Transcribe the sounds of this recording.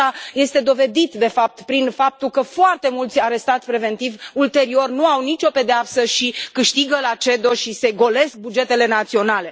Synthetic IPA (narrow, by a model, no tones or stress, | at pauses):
aje̞st̪e̞d̪o̞ve̞d̪it̪d̪e̞fap̚t̪pɾinfap̚t̪ulkəfoart̪e̞mult̪sʲaɾe̞st̪at̪sʲpɾe̞ve̞nt̪ivult̪e̞ɾio̞rnuawnit͡ʃo̞pe̞d̪eapsəʃikɨʃt̪iɡəlat͡ʃe̞d̪o̞ʃise̞ɡo̞le̞sk̚bud͡ʒe̞t̪e̞le̞nat̪sio̞nale̞